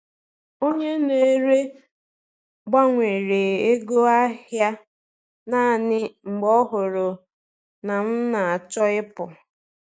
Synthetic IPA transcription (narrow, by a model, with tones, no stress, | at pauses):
o˦ɲe˦ne˨˦ɾe˦ | ɡ͡ba˦ŋʷe˨ɾe˨e˦ɡo˦a˦ɦja˦ | na˦˨nɪ˦ŋ͡m̩˨ɡ͡bɔ˦ɦʊ˨ɾʊ˨ | na˨m̩˦na˨t͡ʃɔ˦ɪ˦pʊ˨